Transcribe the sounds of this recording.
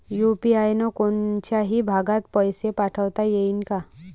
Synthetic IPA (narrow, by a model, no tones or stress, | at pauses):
jupiajnɔkont͡ɕaɦibʱaɡat̪pəjsepaʈʰəʋt̪ajeinka